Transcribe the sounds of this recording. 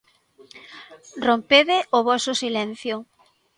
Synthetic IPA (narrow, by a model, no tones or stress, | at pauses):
rompeðɪʔʊβɔsʊsilɛn̟θjʊ